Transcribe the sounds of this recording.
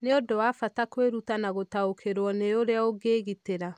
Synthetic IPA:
neodowafatakweɾutanaɣotaokʰeɾwɔneoɾeaoɡeːɣiteɾa

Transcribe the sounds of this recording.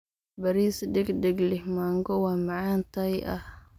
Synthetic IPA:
bɐɾiːsd̪ɛɡd̪ɛɡlɪhmaːŋɡɔwɑːmɑʕɑːnt̪ʰɐjɐ̰h

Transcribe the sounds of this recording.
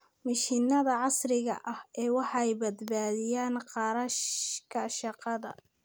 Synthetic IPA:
mɐʃinɐðɐʕɑsrɪɣɐ̰ʔɐhɛːwɑħɑɛjbɐd̪baːðɪjaːnqɑɾɐʃkʰɐʃɑqɑðɐ̰

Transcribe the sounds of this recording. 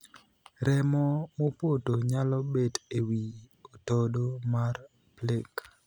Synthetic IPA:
ɾɛmɔmopotoɲalɔbetewiotɔdomar | plek

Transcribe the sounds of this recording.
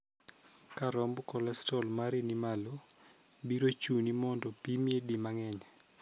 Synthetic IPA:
kaɾɔmbkɔlɛstɔlmaɾinimalɔ | biɾot͡ʃunimɔndɔpimiedimaŋɛɲɛ

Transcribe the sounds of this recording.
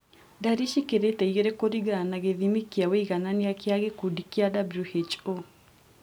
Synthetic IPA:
daɾiʃikeɾetɛiɣeɾekoɾiɡɾanaɣeðimikiaweiɣananeakeaɣekudikiadabluhet͡ʃo

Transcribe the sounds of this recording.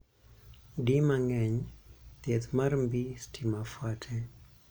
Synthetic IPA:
dimaŋɛɲt̪ɛt̪marmbistʰimafwatʰɛ

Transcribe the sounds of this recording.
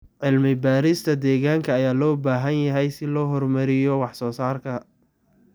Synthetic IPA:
ʕɪlmɪbaːɾɪst̪ʰɐd̪ɛːɣaːŋkʰɐːjaːlɔːbaːɦɐnjɐɦɛjsɪlɔːɦɔrmɐɾɪjɔwɑħsɔːsaːrkʰɐ

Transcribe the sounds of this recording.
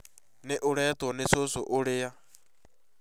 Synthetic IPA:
neʔoɾɛːtwɔnesosoʔoɾea

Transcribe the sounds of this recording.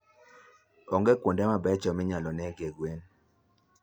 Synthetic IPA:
ɔŋɡɛkwondɛmabɛt͡ʃɔmɪɲalɔnɛɡeɡwen

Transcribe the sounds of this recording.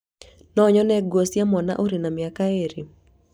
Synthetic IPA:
nɔɲɔnɛɡwosjamɔna̰ʔoɾinamɪakaeɾi

